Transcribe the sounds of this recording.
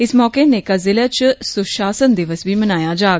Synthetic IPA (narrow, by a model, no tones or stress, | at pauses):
ɪsmɔːkenekazɪlet͡ʃsʊʃaːsənd̪ɪʋəsbʱiːmənaːjaːd͡ʒaːɡ